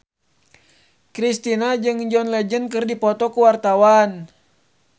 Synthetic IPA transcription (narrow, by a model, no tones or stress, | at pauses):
kɾist̪inad͡ʒɨŋd͡ʒɔnlɛd͡ʒənkɨrdipɔt̪ɔkuwart̪awan